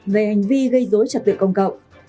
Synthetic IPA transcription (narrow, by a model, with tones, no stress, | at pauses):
ve˨˩ha˨˩jŋ̟vi˧ɣə˧jzo˨˦jt͡ɕa˨˩t̚ɓḭ˧˨ŋkə˧wŋ͡mkə̰˧˨wŋ͡mʔ